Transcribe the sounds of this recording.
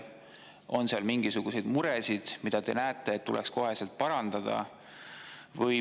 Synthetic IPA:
o̞nseɑlmiŋɡ̥isuɡ̥use̞jd̪muɾesid̪̥mid̪̥ɑd̪e̞̰næet̪ːˑe̞ːt̪ːulʔɛksko̞ɦe̞selt̪̚pɑɾɑnd̪̥ɑd̪̥ɑ̰ | vɤj

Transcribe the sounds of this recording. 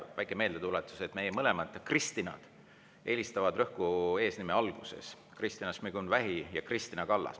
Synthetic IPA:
væjkˑeme̞ːld̪e̞t̪ulet̪ːˑu̥se̞t̪me̞jemɤle̞mɑd̪̥krist̪inɑ̰d̪̥ | ʔe̞ːlist̪ɑvɑd̪̥rɤ̞hkue̞ːsnimeɑlɡ̥use̞̰s | krist̪inɑsmiɡ̥unvæɦijɑkrist̪inɑkɑlːɑ̰s

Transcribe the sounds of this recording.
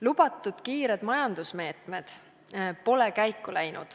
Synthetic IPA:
lub̥ɑt̪ːˑud̪̥kiːɾed̪mɑjɑnd̪usme̞ːt̪med̪̥ | po̞lekæjkːˑulæjnṵd̪̥

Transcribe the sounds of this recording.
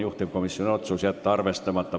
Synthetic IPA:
juht̪ipkomisːionot̪suːsiælt̪t̪ːɑrʋest̪ɑmɑt̪ːɑ

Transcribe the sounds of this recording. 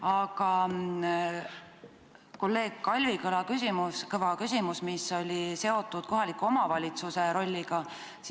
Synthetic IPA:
ɑɡ̥ɑ | ko̞lːe̞ːɡ̥̚kɑlʲvikɤlɑkysimuskɤvɑkysʲimusmiso̞lʲise̞o̞t̪ˑːud̪̥̚ko̞ɦɑlikːuo̞mɑvɑlʲit̪suse̞ɾo̞lʲːiɡ̥ɑ | s

